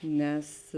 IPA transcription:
ˈnʲɛs

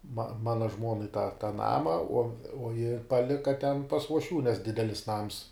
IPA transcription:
mɐ ˈmɑːnɐ ˈʒmuɔnɐɪ tɐ tɑː ˈnɑːmɐ uɔ uɔ jɪ pɐˈlʲɪkɐ tʲɛn pɐs uɔʃʲˈʋʲuː nʲɛs ˈdʲɪdʲɛlʲɪs nɐms

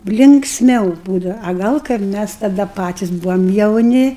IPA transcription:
lʲɪŋksʲˈmʲɛʊ ˈbuːdɐʋɐ ɐ ˈɡɐlˠ kɐɪp ˈmʲæs tɐˈdɐ ˈpɑːtʲɪs ˈbʊʋɐm jɛʊˈnʲɪ

